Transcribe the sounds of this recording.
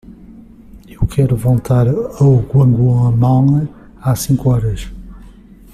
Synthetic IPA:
ewkʰɛɾuvolˠt̪ʰaɾɐwɣwɐ̃ŋɡwɐ̃ɐmãɐ | asĩŋkuɔɾɐʃ

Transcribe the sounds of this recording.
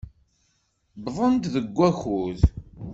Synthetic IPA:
bðˤənt̪ðəɡʷːæxuð

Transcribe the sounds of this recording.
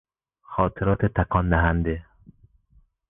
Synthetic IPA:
xɒːt̪ʰeɾɒːt̪ʰet̪ʰækʰɒːnd̪æɦænd̪e

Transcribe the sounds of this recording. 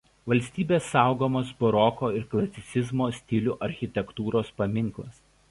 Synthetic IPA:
ʋɐlʲsʲt̪ʲiːbʲeːsːɑˑʊɡoːmoːsbɔɾɔkoːɪɾklˠɐt̪sʲɪt̪sʲɪzmoːsʲt̪ʲɪlʲuːʔɐɾʲxʲɪt̪ʲɛkt̪uːɾoːspɐmʲɪŋˑklˠɐ̰s

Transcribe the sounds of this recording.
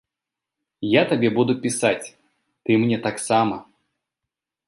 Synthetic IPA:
jat̪ɐbʲebud̪ʊpʲɪsatʲ | t̪ɨmnʲɛt̪aksamə

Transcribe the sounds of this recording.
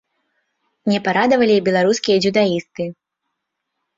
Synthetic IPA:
nʲɛpaɾad̪ɐvɐlʲibʲɛlˠaɾuskʲijɐd͡zʲud̪aist̪ɨ

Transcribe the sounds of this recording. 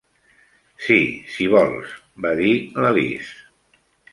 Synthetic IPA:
sisiβɔlˠs | baðiləβḭs

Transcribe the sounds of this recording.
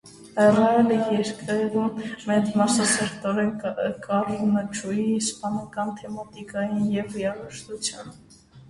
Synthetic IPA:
ɛrɑɛləjɛɾkəvumːɛt͡smɑsɑsɛɾt̪ɔɾɛnkʼɑrmət͡ʃʰujispɑnɑkɑnt̪ʰɛmɑt̪ikɑjinjɛvijɑɾɛʃt̪ut͡sʰjɑ̰n

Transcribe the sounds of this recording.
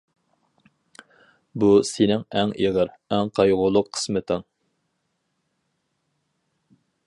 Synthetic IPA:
busenɪŋɛŋeʁəɾɛŋqʰɑjʁʊlˠʊqʰːə̥smɨt̪ʰɪŋ

